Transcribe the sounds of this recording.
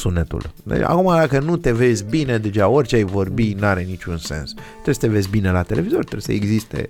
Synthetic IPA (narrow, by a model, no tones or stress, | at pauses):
sunet̪ṵlḛa̰kumad̪akənut̪e̞ve̞zʲbine̞d̪e̞ʒaorʲt͡ʃeajvo̞rbinuaɾe̞nit͡ʃunse̞̰nstt̪ːɾeesət̪e̞ve̞zʲbine̞lat̪e̞le̞vizo̞rʲt̪ɾebesəeɡzist̪e̞̰